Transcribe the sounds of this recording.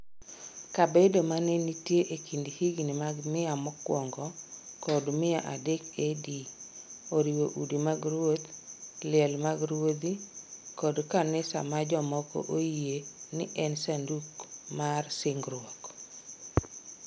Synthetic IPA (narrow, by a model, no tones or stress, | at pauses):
kabedomanenitjeʔekindhiɡnɪmaɡmɪamɔkwɔŋɡɔkɔdmɪa̰ʔadekedioɾiwoʔudimaɡɾwot̪lɪɛlmaɡɾwod̪ikɔdkanɪsa̰mad͡ʒɔmɔko̰ʔojenɪʔɛnsandukmarsɪŋɡɾwɔk